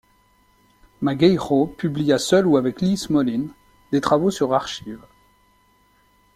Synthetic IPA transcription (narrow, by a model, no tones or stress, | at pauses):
maɡɛjʁopyblijasœluavɛklismɔlin | d̪et̪χavosyʁaʁʃiv